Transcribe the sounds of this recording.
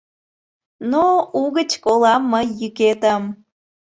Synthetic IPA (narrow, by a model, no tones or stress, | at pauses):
nouɣət͡ɕkolɑmːəjːyket̪əm